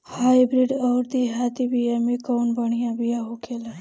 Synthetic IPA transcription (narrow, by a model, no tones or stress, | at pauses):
hajbɾiɖəwɾd̪iɦat̪ibijamikəwnbəɳ̃ijãbijaɦokʰela